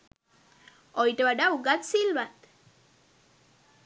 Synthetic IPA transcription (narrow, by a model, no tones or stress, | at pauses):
ɔjʈʋaɖauɡat̪silʋat̪